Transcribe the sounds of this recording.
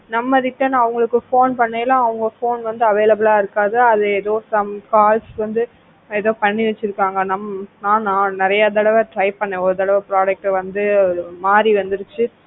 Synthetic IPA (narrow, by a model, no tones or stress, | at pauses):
nɐmːɐðɪʈːɐnãːɐʋɐŋɡɐɭɯkːɯfoːnpɐɳːeːlãːɐʋɯŋɡɐfoːnʋɐnd̪ɯɐʋeːlɐbɯlaːɪɾɯkːaːðɯɐðɯɛðoːsɐmkaːlsʋɐnd̪ɯ | ɛðoːpɐɳːɪʋɛt͡ʃːɪɾɯkːaːŋɡɐnɐmːnãːnãːnɪɾɐjat̪̬ɐɽɐʋɐʈɾɐɪpɐɳːẽːɔɾɯt̪ɐɽɐʋɐpɪɾaːd͡ʒɛk̚ʈʋɐnd̪ɯmaːɾiʋɐnd̪ɯɾɯt͡ʃːɯ